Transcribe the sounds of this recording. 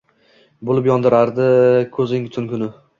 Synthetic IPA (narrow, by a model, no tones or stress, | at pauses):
bolˠɪpjɒnd̪ɪɾaɾd̪ɪkʰɵzɪŋt̪ʰʊnkʲʰʊnɪ